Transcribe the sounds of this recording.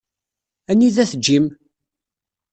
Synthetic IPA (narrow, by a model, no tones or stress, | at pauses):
ænːiðæθd͡ʒːim